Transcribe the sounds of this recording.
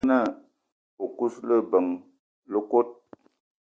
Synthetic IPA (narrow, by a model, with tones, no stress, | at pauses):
nə˦˨ | u˨ku˦slə˦bə˨ŋ | lə˦ko˦t̚